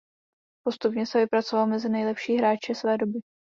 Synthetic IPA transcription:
po̞st̪upɲɛsɛvɪpɾat͡sovalmɛzɪnɛjlɛpʃiːɦɾaːt͡ʃɛsvɛːdo̞bɪ

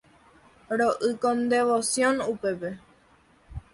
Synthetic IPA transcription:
ɾoʔɨkõnd̪e̞ʋosjõnupe̞pe̞

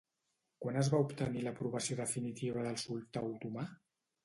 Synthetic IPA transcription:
kwanəzβaupt̪əniləpɾuβəsijoðəfinit̪iβ̞əðəlˠsulˠt̪awt̪uma

